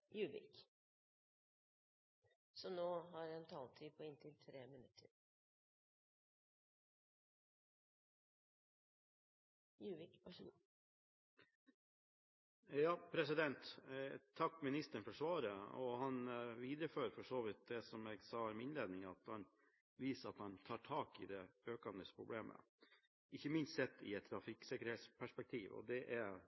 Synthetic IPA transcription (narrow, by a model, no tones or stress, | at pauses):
jʉːʋɪ̰k | sɔnoːɦɑɾɛnt̪ʰɑːlt̪ʰiːpʰɔɪnt̪ʰɪlt̪ʰɾeːmənʉt̪ʰəɾ | jʉːʋɪk | jɑːpʰɾɛsɪd̪ɛnt̪t̪ʰɑkːmɪnɪst̪əɳfɔʂʋɑːɾəɔhɑnʋiːd̪ɾəføːɾfɔʂoːʋɪt̪̚d̪ɛsɔmɛɡsɑːmɪnleːd̪nɪŋɑt̪hɑn | ʋiːsəɾɑt̪hɑnt̪ʰɑːʈʰɑːkɪ̰d̪ɛøːkɑnd̪əspʰɾʊbleːmʔə̰ | ɪçəmɪnst̪sɛt̪ːɪ̰ɛt̪ʰːɾɑfɪksɪkəɾhɛːt̪spʰæʂpɛk̚t̪ʰiːʋɔ̰d̪ɛʔæɾ